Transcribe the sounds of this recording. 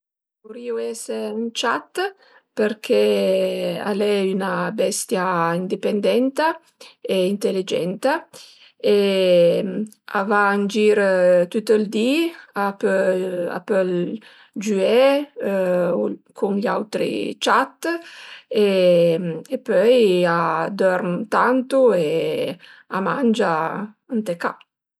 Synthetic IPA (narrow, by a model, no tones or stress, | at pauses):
voɾiːoɛseynt͡ʃat̪ː | peɾkʰe | a̰lɛynabɛst̪jaind̪ipend̪ɛnt̪a | eint̪elid͡ʒɛ̰nt̪a | e | a̰vand͡ʒiɾt̪ut̪ːild̪iap | a̰pɛl | d͡ʒyɛ | kʰuŋʎawt̪ɾḭt͡ʃat̪ | e | epœjad̪ɔɾmt̪ant̪ue | amand͡ʒa | ant̪eka̰